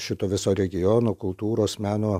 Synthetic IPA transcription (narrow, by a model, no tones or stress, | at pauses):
ʃʲɪt̪oːʋʲɪsoːɾʲɛɡʲɪjoːnoːkʊlˠt̪uːɾoːsmʲæːnoː